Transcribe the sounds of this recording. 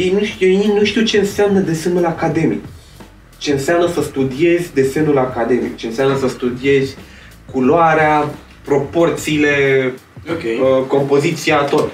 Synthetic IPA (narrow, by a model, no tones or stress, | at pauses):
jejnuʃeinuʃt̪iuwt͡ʃe̞ɨnseamnəd̪e̞se̞nulakad̪e̞mḭk | t͡ʃe̞ɨnseamnəsəst̪ud̪ie̞zʲd̪e̞se̞nulakad̪e̞mḭk̚t͡ʃe̞ɨnseamnəsəst̪ud̪ie̞zʲ | kuloaɾea | pɾo̞po̞rt̪siːle̞ | əko̞mpo̞zit̪siat̪ot̪